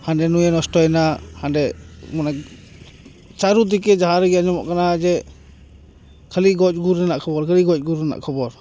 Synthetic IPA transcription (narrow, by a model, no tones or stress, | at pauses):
hanɖɛnujɛnɔstɔjnahandɛmɔna | t͡ʃaɾud̪ikɛd͡ʒaɦaɾɡɛjaɲɔmɔʔkanad͡ʒɛ | kʰəliɡɔt͡ʃ̚ɡuɾɛnaʔkʰɔbɔɾkʰəliɡɔt͡ʃ̚ˀɡuɾɛna̰ʔkʰɔbɔɾ